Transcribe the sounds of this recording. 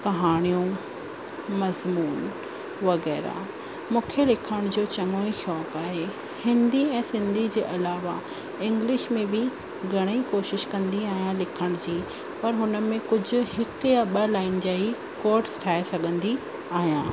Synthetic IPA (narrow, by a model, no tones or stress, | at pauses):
kɐɦaːɽ̃ijũ | mɐzmuːn | ʋɐɣɛːɾa̰ | mũːkʰelɪkʰəɽ̃d͡ʑoːt͡ɕɐŋoiʃɔːkaːɦe | hɪ̃nd̪iɛ̃ːsɪ̃nd̪ʱid͡ʑeːʔɐlaːʋa̰ | ɪ̃ŋɡlɪʃmẽbɪ | ɡʱɐɽ̃ikoːʃɪʃkɐ̃nd̪iaːɦijãlɪkʰəɽ̃d͡ʑiː | pɐɾɦʊnə̆mẽkʊd͡ʑʱʊ̆hɪkjaɓɐlaːɪnd͡ʑaːi | koːɾʈsʈʰaːesɐɡʱə̃nd̪i | aːɦijãː